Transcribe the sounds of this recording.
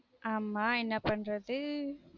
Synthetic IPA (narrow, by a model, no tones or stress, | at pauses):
ʔaːmaːɛnːɐpɐnrɐðɯ